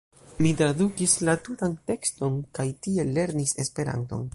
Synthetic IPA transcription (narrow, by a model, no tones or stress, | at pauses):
mitɾadukislatutante̞ksto̞nkajtie̞le̞ɾnise̞spe̞ɾa̰nto̞̰n